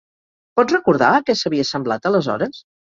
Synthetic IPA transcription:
pɔd͡zrəkuɾða̰əkɛsəβiəsəmblat̪ələzɔ̰ɾəs

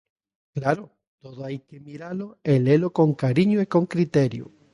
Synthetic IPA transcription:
klaɾo | t̪oðoajkemiɾaloelelokoŋkaɾiɲoiko̞ŋkɾit̪eɾjo̰

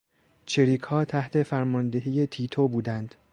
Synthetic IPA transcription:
t͡ʃʰeɾiːkʰhɒːt̪ʰæht̪ʰe̞fæɾmɒnd̪e̞ɦiːjet̪ʰiːt̪ʰobuːd̪ænd̪̥

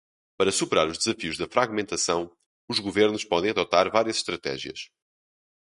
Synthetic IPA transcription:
pɐɾɐsupɨɾaɾuʒd̪ɨzɐfiuʒðɐfɾaɣmẽnt̪ɐsɐ̃w̃ | uʒɣuveɾnuʃpɔðẽj̃ɐðɔt̪aɾvaɾjɐzʃt̪ɾɐt̪ɛ̰ʒiɐ̰ʃ

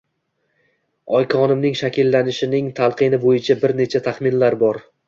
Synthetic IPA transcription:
ɒjkʰɒnɪmnɪŋʃakʲɪlːanɪʃɪnɪŋt̪ʰalˠqɨnɪbojɪt͡ʃʰabɪɾne̞t͡ʃʰat̪ʰaχmɪnlaɾbɒɾ

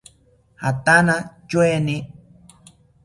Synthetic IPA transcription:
hat̪anat͡ʃweni

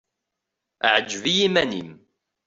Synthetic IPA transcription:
ʔaʕad͡ʒvijimænḭm

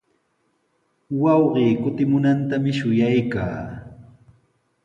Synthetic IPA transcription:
wɑwɢiːkʊt̪ɪmʊnant̪amɪʃʊjajka̰ː

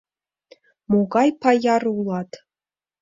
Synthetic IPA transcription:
moɡɑjpɑjɑrulˠɑt̪

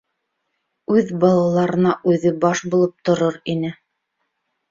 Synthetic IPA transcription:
ʉðbɑlˠɑlˠɑɾɤ̆nɑʔʉðɘbɑʃbulˠɤp̚t̪ŏɾoɾinɘ

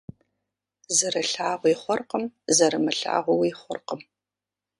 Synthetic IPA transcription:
zɨɾɐɬaːʁʷiχʷɔrqəmzɐɾɨmɐɬa̰ːʁʷɔwiːχʷɔ̰rqəm

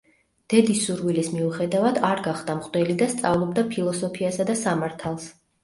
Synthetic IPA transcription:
d̪̥ɛd̪isːuɾwilismiuχɛd̪avad̪aɾɡaχd̪amqʼd̪ɛlid̪ast̪sʼavlˠɔb̚d̪apʰilˠɔsɔpʰiasad̪asamaɾt̪ʰalˠs

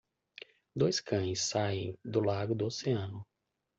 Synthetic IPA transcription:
d̪ojskʰɐ̃j̃sːaẽj̃d̪ʊlaɡʊd̪ʊoseɐ̃nʊ

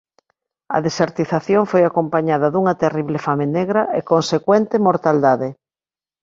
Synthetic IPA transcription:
ɐ̰ðeseɾt̪iθaθjoŋfojakompaɲaðɐðuŋɐt̪eriβlefameneɣɾɐekonsekwɛnt̪emoɾt̪ald̪aðɪ

